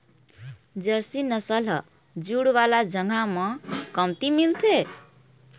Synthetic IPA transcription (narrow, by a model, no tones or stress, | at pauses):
d͡ʒəɾsinʌsəlʌ | d͡ʒuɽwalad͡ʒəŋɡʱamʌ̃kʌmt̪imilt̪ʰe